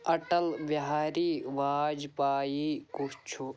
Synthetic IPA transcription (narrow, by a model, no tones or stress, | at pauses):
ɐʈɐlʋjɐɦaːɾiːʋaːd͡ʒpaːjikut͡ʃʰu